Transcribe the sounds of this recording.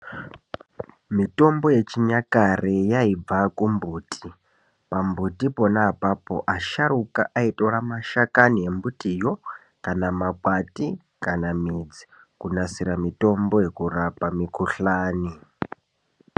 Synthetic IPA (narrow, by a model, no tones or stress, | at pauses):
mito̞mbo̞je̞t͡ʃiɲakarejaib͡vakumbuːtʰi̥ | pambutipo̞naːpapo̞̰ʔaʃaɾukaʔaito̞ramaʃakanije̞mbutijo | kanamakwati | kanamid͡zi̥ | kunasiɾamito̞mbo̞je̞kurapamikuɬaːni